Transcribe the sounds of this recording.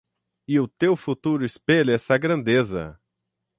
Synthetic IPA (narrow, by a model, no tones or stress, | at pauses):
ɪʊt̪ewfut̪uɾʊɪspelɛsɐɡɾɐ̃nd̪ezɐ̰